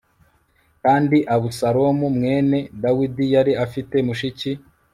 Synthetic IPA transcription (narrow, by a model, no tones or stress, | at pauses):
kaːndiʔaβusaɾo̞mumŋe̞ːne̞dawidijaɾiafite̞muʃici